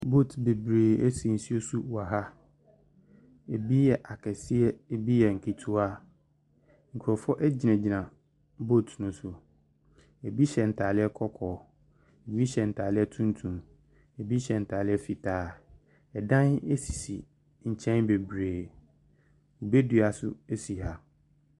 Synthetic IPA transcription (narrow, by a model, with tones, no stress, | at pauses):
bo˦˨tbe˨bɾeː˨e˦si˨n̩˨si˦o˦su˦wa˨ɦa˦ | e˨bi˦jɛ˨ʔa˨kʰɛ˨sɪ˦ɛ˦e˦bi˦jɛ˨ŋ̩˨kʰi˨tʰu˦a˦ | ŋ̩˨kʰu˨ɾɔ˨fɔ˦ʔɛ˦d͡ʑi˨nɛ̃˨d͡ʑi˨nã˨ | bo˦˨tʰnʊ̃˨sʊ˨ | e˨bi˦ɕɛ˨n̩˨tʰaː˨lɪ˦ɛ˦kʰɔ˦kʰɔː˨ | e˨bi˦ɕɛ˨n̩˨tʰaː˨lɪ˦ɛ˦tʰũ˦n˦tʰũ˨m | e˨bi˦ɕɛ˨n̩˨tʰaː˨lɪ˦ɛ˦fi˨tʰaː˨˦˨ | ɛ˨dã˦ne˦si˨si˨ | ɲ̩˨t͡ɕʰɛ̃˦nbe˨bɾeː˨ | o˨be˦du˨a˨sʊ̰˦e˦si˨ɦa˨